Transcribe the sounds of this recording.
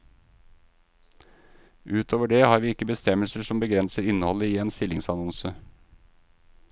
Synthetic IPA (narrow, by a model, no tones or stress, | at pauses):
ʔʉːt̪ʰoːʋəɖeːhɑːɾʋiːɪkəbəst̪ɛməlsəʂɔmbəɡɾɛnsəɾɪnəhɔləiːeːnst̪ɪlɪŋsɑnɔnsə